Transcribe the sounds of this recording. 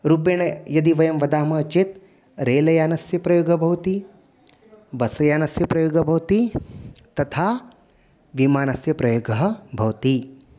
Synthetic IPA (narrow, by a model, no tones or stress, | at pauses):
ɾuːpeːɳɐjɐd̪iʋɐjɐmʋɐd̪aːmɐt͡ʃit̪ | ɾeːlɐjaːnɐsjɐpɾɐjoːɡɐbʱɐwt̪i | bɐsɐjaːnɐsjɐpɾɐjoːɡɐbʱɐwt̪it̪ɐt̪ʰaː | ʋimaːnɐsjɐpɾɐjoːɡɐɦɐ̆bʱɐwt̪i